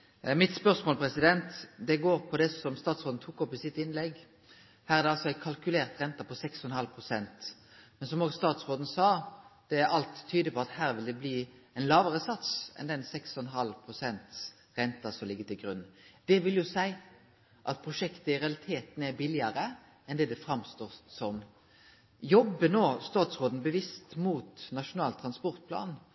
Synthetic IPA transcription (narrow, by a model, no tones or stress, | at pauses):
mɪt̪spœʁsmoːlpʰɾɛsɪd̪ɛnt̪d̪ɛɡoːɾpʰɔd̪ɛsɔmst̪ɑːt̪sʁoːd̪n̩t̪ʰuːkɔpːɪsɪt̪ːɪnlɛɡ | hæːɾæʁd̪ɛɑlsɔæɪkʰɑlkʉleːʁt̪ʁɛnt̪ɑpʰɔsɛksɔnhɑlpʰʁʊsɛnt̪ | mɛnsɔmoːɡst̪ɑːt̪sʁoːd̪n̩sɑːd̪̥ɛæɾʔɑlt̪ʰːyːd̪əpɔɑt̪hæːɾʋɪld̪ɛbliːɛɪnlɑːʋəʁəsɑt̪sɛ̰nd̪ɛnsɛksɔnɦɑlpʰʁʊsɛnt̪s | ʁɛnt̪ɑsɔmlɪɡːət̪ɪlɡɾʉnd̪̥ɛʋɪljʊsæɪ | ʔɑt̪̚pʰʁʊʂɛkt̪əɪɾɛɑlɪt̪ʰeːt̪n̩æbɪlɪɑɾə | ɛnd̪ɛd̪ɛfʁɑmst̪oːsɔm | jɔbːənoːst̪ɑːt̪sʁoːd̪n̩bəʋɪst̪muːt̪nɑʂʊnɑːlt̪ʰɾɑnspɔʁt̪̚pʰlɑ̰ːn